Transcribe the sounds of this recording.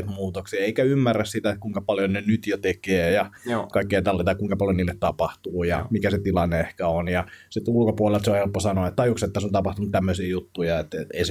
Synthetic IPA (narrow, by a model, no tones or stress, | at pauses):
t̪muːt̪oksiɑeikæymːærːæssit̪æet̪̚kuiŋkɑpɑljonenyt̪jot̪ekeːjɑkɑikːejɑt̪ɑlːit̪ɑkuiŋkɑpɑljoniːlːet̪t̪ɑpɑht̪uːjɑ̰mikæset̪ilɑnːeehkæonjɑsit̪ulkopuolelt̪seohelpːosɑnoɑet̪t̪ɑjukset̪ːæsont̪ɑpɑht̪unut̪æmːøsiːjut̪ːujɑet̪eḛis